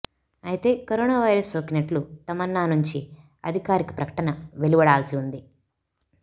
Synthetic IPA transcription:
ɐjit̪e̞ːkɐɾoːnaːʋɐjɾɐsokinɐʈlut̪ɐmɐnːaːnuɲt͡ʃi | ɐ̰d̪ʱikaːɾikɐ̥pɾɐkɐ̥ʈɐnɐʋe̞luʋɐɽaːlɐsiund̪i

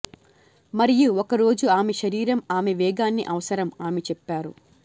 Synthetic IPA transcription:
mɐɾijuɔkɐɾo̞ːd͡ʒuaːmeʃɐɾiːɾɐmaːmeʋɛːɡaːnːiʔɐʋɐsɐɾɐmaːmet͡ʃɛpːaːɾu

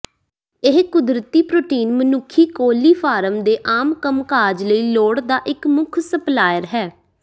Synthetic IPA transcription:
ɪɦkʊd̪ɾət̪iːpɾoːʈiːnmənʊkʰːiːkoːliːpʰaːɾəmd̪eːʔaːmkəmkaːd͡ʒləiːloːɽd̪aːʔɪkmʊkʰsəplaːjəɾɦɛː

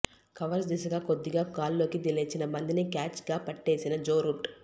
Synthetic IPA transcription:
kɐʋɐɾs̬d̪iːs̬ɐɡaːko̞d̪ːiɡaːkaːllo̞ːkid̪ileːt͡ʃinɐbɐnd̪inikaːt͡ʃɡaːpɐʈːe̞ːsinɐd͡ʒoːɾuʈ

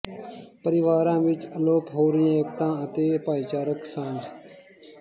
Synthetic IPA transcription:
pəɾɪʋaːɾãːʋɪt͡ʃəloːpɦoːɾɪjãːekt̪ãːət̪eːpaːiːt͡ʃaːɾəksãːnd͡ʒ

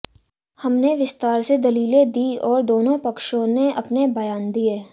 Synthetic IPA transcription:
hɐmneʋɪst̪aːɾsed̪ɐliːlẽd̪iɔːɾd̪oːnõpɐkʃõneɐpnebɐjaːnd̪ijeː

